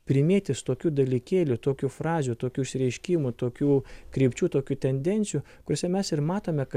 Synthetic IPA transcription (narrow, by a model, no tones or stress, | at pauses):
pʲɾʲɪmʲeːt̪ʲɪst̪oːkʲuːd̪ɐlʲikʲeːlʲʊt̪oːkʲufɾɑːzʲuːt̪oːkʲuːɪʃʲsʲɪɾʲɛɪʃʲkʲiːmʊt̪oːkʲuːkɾʲiːpʲt͡ʃʲuːt̪oːkʲuːt̪ʲɛnʲd̪ʲɛnʲsʲɪjuː | kʊɾʲoːsʲɛmʲɛsɪɾmɑːt̪oːmʲɛkɐ